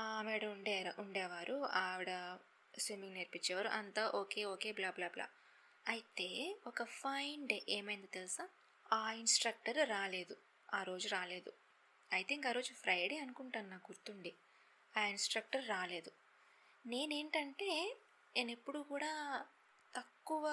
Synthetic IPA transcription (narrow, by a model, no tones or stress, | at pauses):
aːmiːɽɐuɳɖɛːɾʔuɳɖɛːʋaːɾʔuaʋiɽɐ | sʋimiŋɡneɾpit͡ʃːɛːʋaːɾṵʔɐnt̪aːʔoːke̞ːoːke̞ːblaːblaːbla̰ː | ɐjit̪e̞ːɔkɐpʰɐjɳɖeːmɐjɐnt̪ɐt̪elsaː | aːinsʈɾɐk̚ʈɐɾɾaːle̞ːd̪u | aːɾo̞ːd͡ʒuɾaːle̞ːd̪u | ɐjt̪ʰiŋkaːɾo̞ːd͡ʒupʰɾɐjɽeːɐnukuɳʈanːaːɡuɾt̪uɳɖi | aːinsʈɾɐk̚ʈɐɾːaːle̞ːd̪u | ne̞ːne̞ːɳʈɐɳʈe̞ː | ne̞ːnepːuɽukuːɽaː | t̪ɐkːuʋɐ